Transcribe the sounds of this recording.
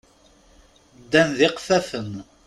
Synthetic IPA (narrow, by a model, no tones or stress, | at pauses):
d̪ːænðɪqfæfəm